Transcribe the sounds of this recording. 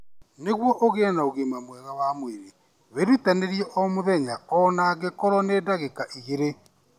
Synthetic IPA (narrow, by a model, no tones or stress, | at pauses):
neɣwɔʔoɣeɛnaoɣemamwɛɣawamweɾe | weɾitaneɾjɛʔɔmoðɛɲaɔnaɣekɔɾɔnedaɣekaʔiɣeɾe